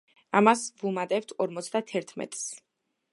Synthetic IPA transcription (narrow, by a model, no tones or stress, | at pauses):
amasvumad̪ʼɛp̚t̪ʰɔɾmɔt̪sʰd̪at̪ʰɛɾt̪ʰmɛ̰t̪ʼs